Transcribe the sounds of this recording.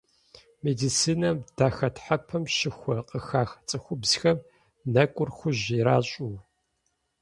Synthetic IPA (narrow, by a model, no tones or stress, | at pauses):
meːdit͡sʰiːnɐmd̥aːxɐtħapʰɐmʃɪxʷɔqəxaːxt͡sʼɨxʷʊbz̥xɐm | nɐkʷʼʊrxʷʊʑiɾaːɕʼuw